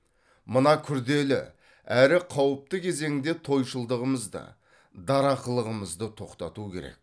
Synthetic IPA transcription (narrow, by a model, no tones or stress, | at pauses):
mənɑkʲʰʏɾd̪e̞lɪ̰ | æɾɪqʰɑwəp̚t̪əkʲʰe̞ze̞ŋɪd̪e̞t̪ʰo̞jʃəlˠd̪əʁəməzd̪ɑ̰ | d̪ɑɾɑqəlˠəʁəməzd̪ət̪ʰo̞qt̪ɑt̪ukʲʰe̞̰ɾe̞̰k̚